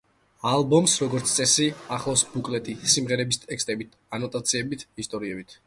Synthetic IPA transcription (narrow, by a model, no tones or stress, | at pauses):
alˠbɔmsɾɔɡɔɾt̪sʰt̪sʼɛsiaχlˠɔsbukʼlɛt̪ʼisimʁɛɾɛbist̪ʼɛkst̪ʼɛbit̪ʰ | anɔt̪ʼat̪sʰiɛbit̪ʰist̪ʼɔɾiɛbit̪ʰ